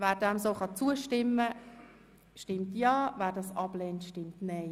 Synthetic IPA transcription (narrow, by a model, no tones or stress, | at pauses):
væːɾdɛmsoːχɑt͡suəʃtɪmːə | ʃtɪmtjɑːvæːɾdɑsɑb̥lɛːntʃtɪmtnɛɪ